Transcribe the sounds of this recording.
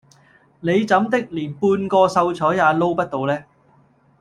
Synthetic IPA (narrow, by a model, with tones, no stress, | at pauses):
ne˨˧jt͡sɐ˨˥mt̪ɪ˥k̚liː˨˩npuː˧nkɔː˧sɐ˧wt͡sʰɔː˨˥jːaː˨˧lo˥wpɐ˥t̚t̪o˨˧wlɛː˥